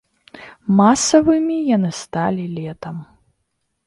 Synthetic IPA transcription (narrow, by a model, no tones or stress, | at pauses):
masɐvɨmʲijanɨst̪alʲilʲɛt̪ɐm